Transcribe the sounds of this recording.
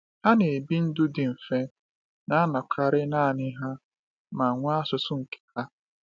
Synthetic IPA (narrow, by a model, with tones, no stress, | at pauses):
ha˦ne˨e˨bi˦n̩˦dʊ˦dɪ˨m̩˨fe˦ | na˦a˦na˨kʰa˨ɾɪ˦naː˦˨nɪ˦ɦa˦ | ma˨ŋʷa˦sʊ˨sʊ˦ŋ̩˨kʰe̥˨ha˦